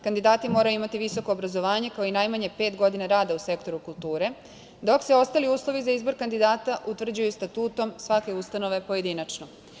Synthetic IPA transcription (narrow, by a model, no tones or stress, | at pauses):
kand̪id̪aːt̪imo̞ːɾajuimat̪iʋiso̞ko̞ːbɾazo̞ʋaːɲe̞kaoinajmaɲe̞pe̞ːt̪ɡo̞d̪inaɾaːd̪ause̞kt̪o̞ɾukulˠt̪uːɾe̞ | d̪o̞kseo̞st̪aliuːslˠo̞ʋizaizbo̞ɾkand̪id̪aːt̪aʔut̪ʋr̩d͡ʑujust̪at̪uːt̪o̞msʋake̞ust̪ano̞ʋe̞po̞je̞d̪inat͡ʃno